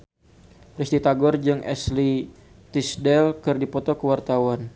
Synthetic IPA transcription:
pɾist̪it̪aɡɔrd͡ʒɨŋʔɛ̰sli | t̪isdɛlkərdipɔt̪ɔkəwart̪awan

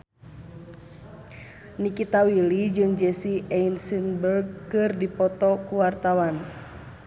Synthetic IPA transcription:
nikit̪awilid͡ʒɨŋd͡ʒɛsiɛinsinbərɡ̚kɨrdipɔt̪ɔkuwart̪awan

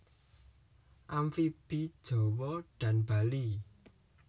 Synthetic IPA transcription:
ʔamfib̥id̥ʒ̥ɔ̤wɔɖ̥ä̤nb̥a̤li

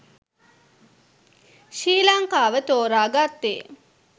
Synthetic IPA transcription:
ʃiːlaŋkaːʋət̪oːɾaːɡat̪ːe

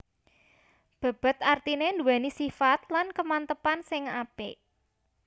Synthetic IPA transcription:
b̥a̤b̥ə̤t̪art̪inend̪ṳwɛnisifat̪̚lankəmant̪əpansɪŋapḛ

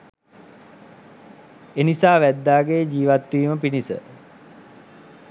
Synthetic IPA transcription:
enisaːʋæd̪ːaːɡejd͡ʑiːʋat̪ːʋiːməpinisə̰

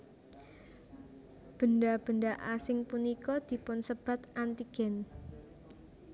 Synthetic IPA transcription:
b̥ə̤nɖab̥ə̤nɖaʔasɪŋpunikɔd̪̥i̤pʊnsəb̥ä̤t̪ʔant̪iɡ̥ɛ̤n

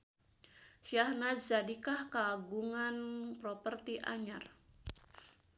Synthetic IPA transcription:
siahnazadikahkəaɡuŋanpɾopərt̪iʔa̰ɲar

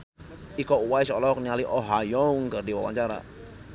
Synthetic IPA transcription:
ikɔuwaisɔlɔk̚nialiʔɔɦajɔŋkərdiwa̰wa̰ɲt͡ʃaɾa̰

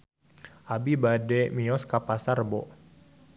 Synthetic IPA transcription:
ʔabibadɛmiɔskapasarbɔ

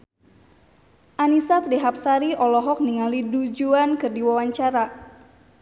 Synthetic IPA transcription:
ʔanisat̪deɦap̚saɾiʔɔlɔɦɔk̚niŋalidud͡ʒuankɨrdiwawaɲt͡ʃaɾa

